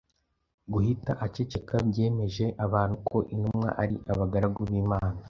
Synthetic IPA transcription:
ɡuhitaʔat͡ʃe̞t͡ʃe̞kabje̞ːme̞ʒe̞ʔaβaːn̥hukʰo̞ʔinumŋa̰ʔaɾiʔaβaɡaɾaɡuβiːmaːna

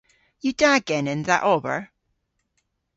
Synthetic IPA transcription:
jɨdaɡɪ̃nɪ̃nðəʔɔbə̰˞

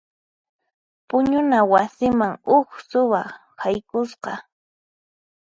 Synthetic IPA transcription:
pʊɲʊnawasɪmaŋʊksʊwa | hajkʊsqɑ

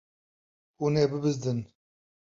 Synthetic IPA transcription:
uneːbɨbɨzd̪ɨn

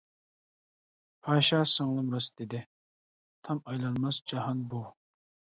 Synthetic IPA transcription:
pʰɑːʃɑsəŋlˠɨmɾɑsd̪ɪd̪ɪ | t̪ʰɑmɑjlˠɑnmɑsd͡ʒɑhɑnbu

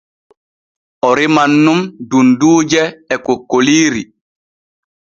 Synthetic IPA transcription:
ʔɔɾimanːumdunduːd͡ʒɛːkokːoliːɾi

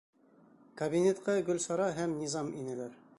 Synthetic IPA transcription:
kɐbʲinʲet̪qɑɡɵ̆lsɑɾɑɦæmnʲizɑminɘ̆læɾ

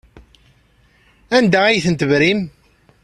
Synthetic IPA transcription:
ænd̪æijθənt̪əvɾim

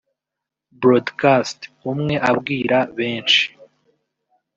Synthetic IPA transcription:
bɾodkastumŋe̞ʔabɡiːɾaβe̞ːnt͡ʃi̥

